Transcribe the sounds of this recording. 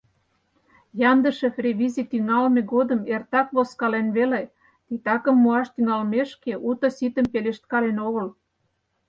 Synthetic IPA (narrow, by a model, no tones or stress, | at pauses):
jɑnd̪ə̆ʃefrʲeβizit̪yŋɑlmeɣod̪əmert̪ɑkβoskɑlenβele | t̪it̪ɑkə̆mːuɑʃt̪yŋɑlmeʃkeʔut̪osit̪əmpeleʃt̪̚kɑlenoɣəl